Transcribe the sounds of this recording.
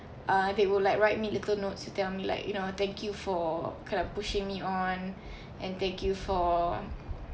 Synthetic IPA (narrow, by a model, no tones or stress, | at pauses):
ʔãdewillajkɹaɪt̚militəlnotstutɛlmila̰ɪkjunot̪ɛ̃ŋkʰjufɔkãɪ̃ndɔpuʃɪ̃ŋmiɔ̃n | ʔɛ̃nt̪ɛ̃ŋkjufɔ